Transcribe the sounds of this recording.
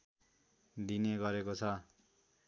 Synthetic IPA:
d̪injeɡʌɾekot͡sʰʌ

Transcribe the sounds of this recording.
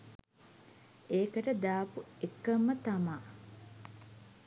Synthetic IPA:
eːkəʈəd̪aːpuekːəmːət̪amaː

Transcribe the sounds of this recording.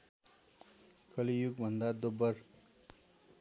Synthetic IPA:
kʌlijuɡbʱʌnd̪ad̪obːʌr

